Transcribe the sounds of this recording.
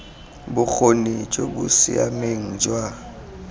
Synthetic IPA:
bʊk͡xonid͡ʒʼoɓusḭa̰meŋ̩d͡ʒwa

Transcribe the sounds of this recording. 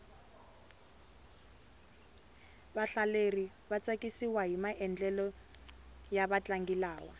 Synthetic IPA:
βaɬaleri | βat͡sʼakʼisiwaɦimaʔɛnd͡ɮɛlɔ | jaβat͡ɬaŋɡilaːwa̰

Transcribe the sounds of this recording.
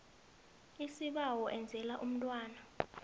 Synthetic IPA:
isiɓawɔʔɛnd͡zʱɛlaʔum̩tʼwaːna

